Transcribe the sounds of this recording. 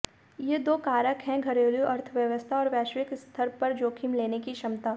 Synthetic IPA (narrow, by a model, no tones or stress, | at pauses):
jed̪oːkaːɾəkɦɛ̃ɡʱɐɾeːljuʔɐɾt̪ʰʋjəʋəst̪ʰaɔːɾʋɛːʃʋɪkst̪ʰəɾpɐɾd͡ʒoːkʰimleːnekiʃɐmt̪aː